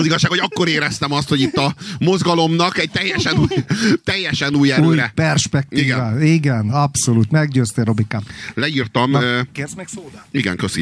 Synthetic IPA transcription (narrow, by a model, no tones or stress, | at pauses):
ziɡɒʃːaːkho̞ɟɒkːo̞ɾeːɾɛst̪ɛmɒst̪ho̞ɟit̪ːɒmozɡɒlo̞mnɒkɛɟ̚t̪ɛjːɛʃɛnuːjt̪ɛjːɛʃɛnuːjɛuːjɾɛpɛrʃpɛk̚t̪iiɡːɛvaːiɡɛnɒpso̞luːt̪mɛɡɟøːst̪eːɾo̞bikalɛiːrt̪ɒmkeːrzmɛksoːd̪iɡɛ̰ŋkøsḭ